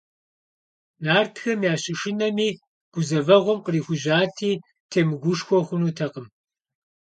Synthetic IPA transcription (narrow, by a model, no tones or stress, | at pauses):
naːrtʰxɐmjaːɕʼɪʂɪnɐmiː | ɡ̥ʷʊzɐvɐʁʷɔmqəriːxʷʊʒaːtʰiː | tʰeːmɨɡʷʊʂxʷɔχʷʊnuːtʰɐqəm